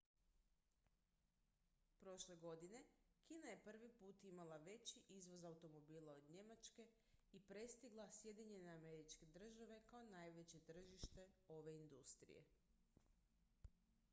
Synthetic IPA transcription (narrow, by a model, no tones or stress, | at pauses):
pɾo̞ʃle̞ɡo̞d̪ine̞kiːnaje̞pr̩ʋipuːt̪imalˠaʋe̞t͡ɕiʔizʋo̞zaut̪o̞mo̞biːlˠao̞d̪ɲe̞mat͡ʃke̞ | ipɾe̞st̪iɡlˠasje̞d̪iɲe̞neame̞ɾit͡ʃke̞d̪r̩ʒaʋe̞kaonajʋe̞t͡ɕe̞t̪r̩ʒiʃt̪e̞o̞ʋe̞ind̪ust̪ɾḭje̞̰